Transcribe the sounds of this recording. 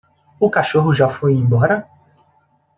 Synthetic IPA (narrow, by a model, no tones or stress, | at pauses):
ʊkaʃoɦʊʒafojẽbɔɾɐ